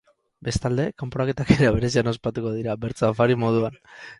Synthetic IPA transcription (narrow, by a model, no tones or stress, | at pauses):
be̞st̪ald̪e̞kampoɾake̞t̪ake̞ɾaβe̞ɾe̞s̬iano̞spat̪uko̞ðiɾabe̞ɾt͡safaɾimo̞ðuan